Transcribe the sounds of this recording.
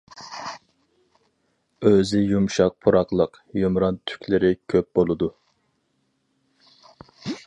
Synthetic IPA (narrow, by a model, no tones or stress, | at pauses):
øzɪjumʃɑq̚pʰuɾɑqlˠəq | jomɾɑnt̪ʰy̥kʲlɪɾɪkʲʰøp̚bolˠɨd̪u